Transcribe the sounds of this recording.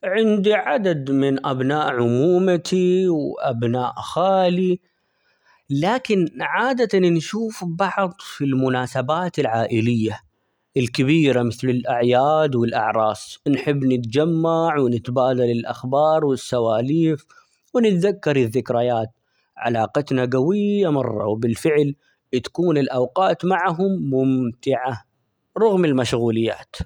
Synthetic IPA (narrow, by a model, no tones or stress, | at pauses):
ʕɪnd̪iʕad̪ad̪mɪnʔabnaːʔʕʊmuːmat̪ʰiwʔa̰bnaːʔxaːli | laːkɪnʕaːd̪at̪annʃuːfbɑʕðˤfilmʊnaːsabaːt̪ɪlʕaːʔɪlɪjːa | ʔɪlkɪbiːɾamɪθlɪlʔaʕjaːd̪wɪlʔa̰ʕɾˤɑːsˤnħɪbːnɪt̪d͡ʒamːaʕwɪnɪt̪baːd̪alɪlʔaxbɑːɾˤwɪsːawaːliːf | wɪnɪt̪ðakːɑɾˤɪðːɪkɾajaːt̪̚ | ʕa̰laːqɑt̪naɡawɪjːamɑrˤːɑ̰wbɪlfɪʕl | t̪ḁkuːnɪlʔawqɑːt̪maʕɦʊmːʊmt̪ɪʕa | ɾˤʊɣmɪlmaʃɣuːlɪjːa̰ːt̪